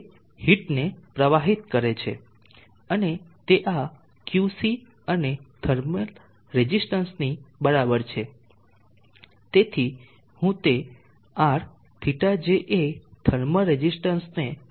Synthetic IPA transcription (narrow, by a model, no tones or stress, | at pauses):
hiʈnepɾəʋaɦit̪kəɾet͡ʃʰḛ | ənet̪eʔa | kjusi | əned̪̥ʱəɾmə | ɾed͡ʒisʈənsnibəɾabəɾt͡ʃʰe | t̪et̪ʰi | hũt̪e | aɾ | t̪ʰiʈad͡ʒeʔed̪ʱəɾməɾed͡ʒisʈənsne